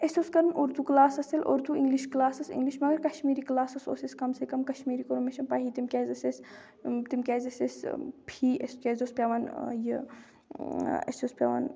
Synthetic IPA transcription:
esoskɐɾunuɾd̪uːklaːsɐsɐlʔo̰ɾd̪uʔiŋɡliʃklaːsɐsḭŋɡliʃmɐɡɐɾkɐʃmiːɾiklaːsɐso̰ːseskɐmsekɐmkɐʃmiːɾikɐɾumeʃɐnpaːɦiːt̪imkʲeːzɐses | t̪imkʲeːzɐsespʰiːeskʲeːzospʲaʋɐnjə | ḛsospʲja̰ʋa̰n

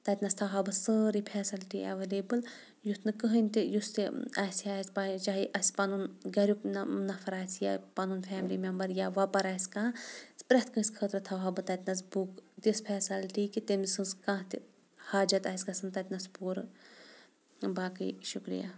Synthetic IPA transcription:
t̪ɐt̪ʲnɐst̪ʰɐwɦabɨsəːɾipʰɛːsilʈiʔɐ̰ʋeleːbɨl | just̪nɨkɨɦənʲt̪ijust̪iɐsiaːsʲpait͡ʃaːɦiʔɐsʲpɐnunɡɐɾʲjuknɐfʰɐɾaːsjapanuːnfʰʲɛːmlimʲɐmbɐɾjaʋapɐɾaːskãːspɾɐht̪ʰkə̃ːsʲkʰəːt̪ɾɨt̪ʰɐwɦɐbɨt̪ɐt̪ʲnɐs̬bukt̪ispʰʲɛːsɐlʈiːkit̪emzsɨnskãːt̪i | haːd͡ʒɐt̪aːsʲɡɐsɨnt̪ɐt̪ʲnɐspuːɾ | baːkɨ̰ʃukɾḭja̰

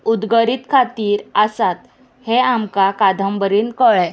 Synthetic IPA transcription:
ud̪ɡəɾiːt̪kʰat̪iːɾəsat̪ | heamkakad̪ʱəmbəɾiːnkəɭɛ

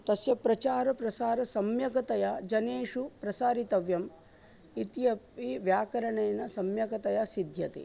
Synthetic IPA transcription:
t̪ɐsjɐpɾɐt͡ʃaːɾɐpɾɐsaːɾɐsɐmjɐkɐt̪ɐjad͡ʒɐneːʂupɾɐsaːɾit̪ɐʋjɐm | it̪ijɐpiʋjaːkɐɾɐɳeːnɐsɐmjɐkɐt̪ɐjasid̪ʱjɐt̪ḛ

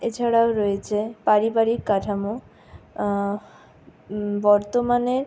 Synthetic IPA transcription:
et͡ɕʰaɽaoɾɔjet͡ɕʰepaɾibaɾikːaʈʰamo | bɔɾt̪omaneɾ

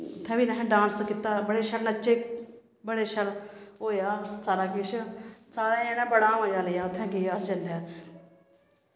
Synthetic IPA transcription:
ʊt̪ʰːɛ̃ːbiːnəɦɛ̃ɖãːnskɪt̪ːaːbəɽeːʃəlnət͡ʃeː | bəɽeːʃəlɦoːjaːsaːɾaːkɪʃsaːɾaːẽːnãːbəɽãːmə̃ːd͡ʒaːləjaːʊt̪ʰːɛ̃ːkɪjaːst͡ʃəljaː

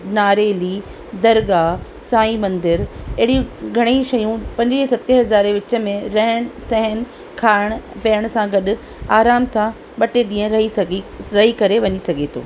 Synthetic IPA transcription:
naːɾeːliː | d̪ɐɾɡaː | saːĩmɐ̃nd̪ɪɾɐɦɽiɡʱɐɽ̃eʃɐjũpɐ̃ɲd͡ʑɾisɐt̪eɦɐzaːɾeʋɪt͡ɕə̆mẽɾɐɦəɽ̃sɛ̃ɦən | kʰaːɪɽ̃pɐəɽ̃sãɡɐɗʊ̆ | aːɾaːmsã | ɓɐʈeɗĩːə̃ɾɐɦiɐɡɾɐɦikɐɾeʋɐɲisɐɡʱet̪ʰo̰ː

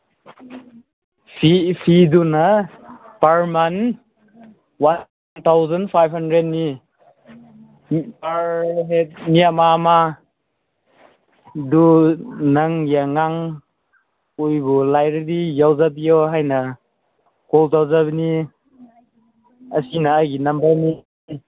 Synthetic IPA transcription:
pʰipʰidunɐ | paɾman | wan | t̪ʰawzanpʰajbhandɾet̚ni | paɾɦet̚nijamama | dunaŋjaŋaŋ | ujbulajɾiɾijawzabijɔɦajnɐ | kɔltawzabini | ɐsinaːɡinambani

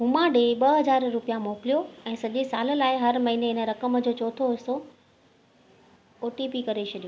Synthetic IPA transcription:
ɦumãɗeɓɐɦɐzaːɾɾʊpijãmoːkɪlijoɛ̃ːsɐʄesaːləlaːɪɦɐɾmɐɦiːneɦɪnə̆ɾɐkəmd͡ʑoːt͡ɕoːt̪ʰoɦɪso | oːʈipikɐɾet͡ɕʰɐɗijoː

